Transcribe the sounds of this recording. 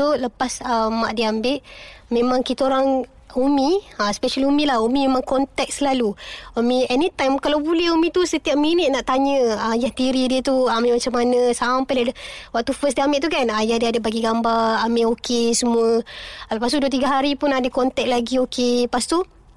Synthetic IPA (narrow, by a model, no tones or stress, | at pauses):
uləpasəmaʔdiambɪʔmẽmãŋkit̪aoɾaŋ | umiaspɛʃəlumĩlahumĩmemãŋkɔnt̪ɛk̚səlaluomĩɛnit̪ajmkalawbuləumĩt̪usət̪iap̚minət̪̚naʔt̪aɲəajaht̪iɾidiət̪uammat͡ʃamːanəsampajliadəwak̚t̪ufəs̬diambɪʔt̪ukanajadiadəbaɡiɡambaramɪʔokesəmuələpast̪uduət̪̬iɡaɦaɾipunadəkɔnt̪ɛk̚laɡiokepast̪u